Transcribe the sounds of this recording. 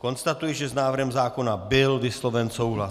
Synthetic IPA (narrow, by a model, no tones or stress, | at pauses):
konst̪at̪ujɛʒɛznaːvr̩ɦɛmzaːkonabɪlvislɔvɛnsowɦla